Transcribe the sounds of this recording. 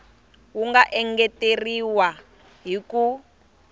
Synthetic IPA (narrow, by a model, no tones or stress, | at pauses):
wuŋɡaʔɛŋɡɛteriwa | ɦiku